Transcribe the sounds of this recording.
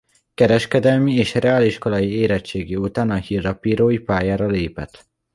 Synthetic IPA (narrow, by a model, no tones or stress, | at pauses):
kɛɾɛʃkɛd̪ɛlmieːʃrɛaːliʃko̞lɒjieːɾɛt͡ʃeːɡiut̪aːnɒhiːrːɒpiːɾoːjipaːjaːɾɒleːpɛ̰t̪